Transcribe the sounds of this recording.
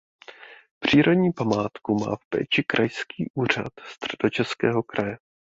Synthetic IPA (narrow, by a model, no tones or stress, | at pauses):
pr̝̥iːɾodɲiːpamaːt̪kuma̰ːfpɛ̰ːt͡ʃɪkɾʔajskiːʔuːr̝a̰t̪st̪r̝̥ɛdo̞t͡ʃɛskɛːɦo̞kɾʔajɛ